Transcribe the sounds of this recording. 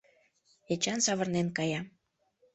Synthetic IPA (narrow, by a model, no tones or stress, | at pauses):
et͡ɕɑnsɑβə̆rnenkɑjɑ